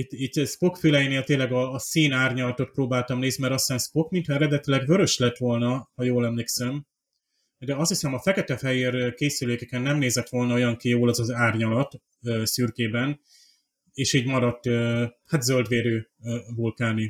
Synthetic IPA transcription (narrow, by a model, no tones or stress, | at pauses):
it̪ːit̪ːspo̞kfyːlɛjineːlt̪eːlːɛɡɒːsiːnaːrɲɒlɒt̪o̞t̪̚proːbaːlt̪ɒmneːznimɛɾɒst̪aːnspo̞kmint̪hɒɛɾɛd̪ɛt̪ilɛɡʋø̞ɾø̞ʃlɛt̪ʋo̞lnɒhɒjoːlɛmleːksɛm | d̪ɛɒst̪hisɛmɒfɛkɛt̪ɛfɛjeːrkeːsyleːkɛkɛnːɛmneːzɛt̪ʋo̞lnɒo̞jɒŋkijoːlɛzɒzaːrɲɒlɒt̪ | øːsyrkeːbɛn | eːʃiɟmɒɾɒt̪ːøhat̪zøld̪ʋeːɾøːvulkaːni